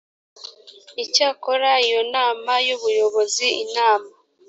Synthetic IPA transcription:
icaːkoɾaijo̞naːmajuβujo̞βo̞ziinaːma

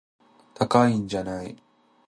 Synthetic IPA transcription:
t̪akaiɲ̟d͡ʑanai

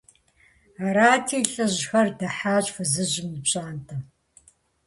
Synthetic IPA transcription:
aɾaːtʰiːɬʼɨʑxɐrdɐħaːɕʼfɨzɨʑɪmipɕʼaːntʰɐ

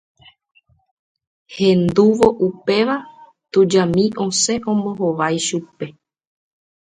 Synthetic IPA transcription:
hẽ̞nd̪uʋo̞ʔupe̞ʋa | t̪ud͡ʒamĩʔõ̞se̞ʔõ̞mbo̞ɦoʋajʃupe̞

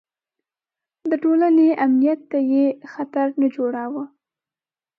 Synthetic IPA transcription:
d̪əʈolaneʔamnijat̪ːajexat̪aɾnad͡ʒoɽawə

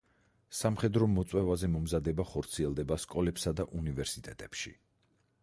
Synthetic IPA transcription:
samχɛd̪ɾɔmɔt̪sʼwɛvazɛmɔmzad̪ɛbaχɔɾt̪sʰiɛlˠd̪ɛbaskʼɔlɛpsad̪aʔunivɛɾsit̪ʼɛt̪ʼɛpʃḭ

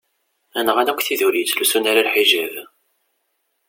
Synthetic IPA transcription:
ænəʁanækʷːθiðuɾit͡sːlusunaɾalħiʒæv

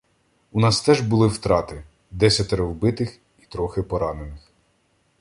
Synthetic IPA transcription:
unɑst̪ɛʒbʊlˠɪwt̪ɾɑt̪ɪ | d̪ɛsʲɐt̪eɾɔwbɪt̪ɪx | it̪ɾɔxɪpɔɾɑnenɪx

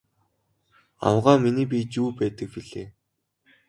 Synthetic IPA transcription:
a̰wʁaːminiːp̬ʲit͡ɕuːpæːt̪ə̆k̚piɮeː

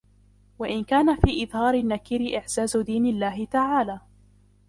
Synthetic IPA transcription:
waʔɪnkaːnafiːʔɪðhɑːɾɪnːakiːɾɪʔɪħz̥aːzʊd̪iːnɪlːaːɦɪt̪aʕaːlaː

